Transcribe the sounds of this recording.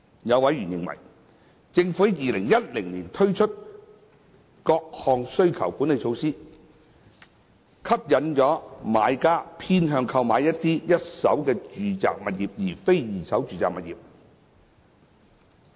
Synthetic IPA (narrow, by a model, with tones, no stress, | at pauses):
jɐ˨˧wɐ˨˥jɥyː˨˩njɪ˨ŋwɐ̰˨˩j | t͡sɪ˧ŋfuː˧˥jiː˨˧lɪ˨˩ŋjɐ˥t̚lɪ˨˩ŋniː˨˩nt̪ʰɵ˥ɥt͡ʃʰɵ˥t̚ | kɔː˧k̚hɔː˧ŋsɵ˥ɥkʰɐ̰˨˩wkuː˨˥ne˨˧jt͡ʃʰo˧wsiː˥ | kʰɐ˥p̚jɐ˨˥nt͡ʃɔː˨˥ma̰ː˨˧jkaː˥pʰiː˥nɦœː˧ŋkʰɐ˧wmaː˨˧jɐ˥t̚t̪ːiː˥jɐ˥t̚sɐ˨˥wkɛː˧t͡ʃyː˨˧t͡sa̰ː˨k̚mɐ˨t̚jiː˨p̚jiː˨˩fe˥jjiː˨˩sɐ˨˥wt͡ʃyː˨˧t͡sa̰ː˨k̚mɐ˨t̚jḭː˨p̚